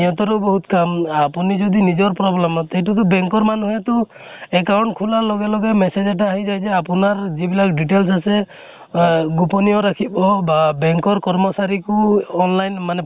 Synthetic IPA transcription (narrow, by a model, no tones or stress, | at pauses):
jɔt̪ɔɾubɔɦut̪kamapunid͡ʒɔd̪inid͡ʒɔɾpɾɔblemɔt̪ɛɦiʈut̪ɔbɛŋkɔɾmanɦɔt̪u | ekawɳʈ̚kʰulalɔɡelɔɡemesed͡ʒaʈ̬aːɦid͡ʒajd͡ʒeapunaɾd͡ʒibilak̚ɖiʈels̬ase | ɡupɔniɔɾakʰibɔbabɛŋkɔɾkɔɾmɔsaɾikuɔnlajnmane